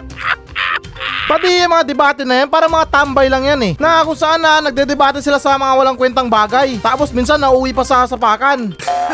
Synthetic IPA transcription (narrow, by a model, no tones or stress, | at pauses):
pɐb̪iɐŋmɐŋad̪ɛbaːt̪ɛnɐjanpaːɾɐmɐŋat̪ambɐjlɐŋjanɛnɐakosɐʔanɐnɐɡ̚d̪ɛd̪ɛbaːt̪ɛsɪlasɐmɐŋawɐlaŋkwɛnt̪ɐŋbaːɡajt̪aːposminsanːɐʔuːwipɐsɐsɐpaːkan